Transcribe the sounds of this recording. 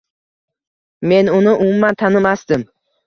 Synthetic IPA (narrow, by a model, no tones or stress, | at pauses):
me̞nʊnɪʔʊmʊmːant̪ʰanɪmasd̪ɪm